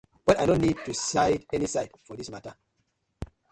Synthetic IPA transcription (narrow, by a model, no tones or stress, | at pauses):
b̥ɛtajnõnːid̚tusaɪdɛnisaɪdfɔðismatə